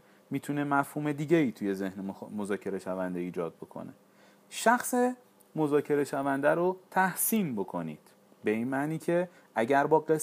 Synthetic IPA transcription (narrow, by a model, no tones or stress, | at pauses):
miːt̪ʰune̞mæfhuːme̞d̪iːɟe̞iːt̪ʰuje̞ze̞hnemozɒːcʰe̞ɾe̞ʃævænd̪eiːd͡ʒɒ̰ːd̪̚bo̞kʰo̰nḛ | ʃæxse | mo̞zɒːcʰe̞ɾe̞ʃævænd̪æɾot̪ʰæhsiːnbo̞kʰo̞nḭːd̪̥ | be̞iːnmæʔniːcʰe̞ | ʔæɟæɾbɒːɢe